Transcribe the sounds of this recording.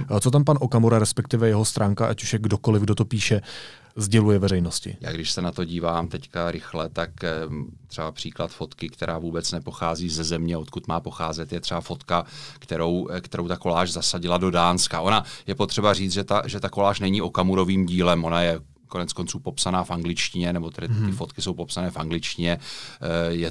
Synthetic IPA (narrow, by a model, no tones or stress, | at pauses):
t͡sot̪̬ampanʔokamuɾaɾɛspɛk̚t̪ɪvɛjɛɦo̞st̪ɾʔaːŋkaʔacu̥ʃjɛɡdo̞ko̞lɪvɡdo̞t̪o̞piːʃɛ | zɟɛlujɛvɛrɛjnoscɪ̰ja̰ːɡdɪʃsɛnat̪o̞ɟiːvaːmt̪ɛckaɾɪxlɛt̪akt̪r̥ɛbapr̝̥iːklat̪fo̞t̪kɪkt̪ɛɾʔaːvuːbɛt͡snɛpoxaːziːzɛzɛmɲɛo̞t̪kut̪maːpo̞xaːzɛt̪jɛt̪r̥ɛbafo̞t̪kakt̪ɛɾo̞wkt̪ɛɾo̞wt̪ako̞laːʒzasaɟɪlado̞daːnskaʔo̞najɛpo̞t̪r̥ɛbariːt͡s̪ʒɛt̪aʒɛt̪ako̞laːʃnɛɲiʔo̞kamuɾoviːmɟiːlɛmʔo̞najɛ | ko̞nɛt͡sko̞nt͡suːpo̞psanaːfʔaŋɡlɪt͡ʃcɪɲɛnɛbo̞t̪ɛdɪɪfo̞t̪kɪso̞wpo̞psanɛːfʔaŋɡlɪt͡ʃcɪɲɛ | jɛ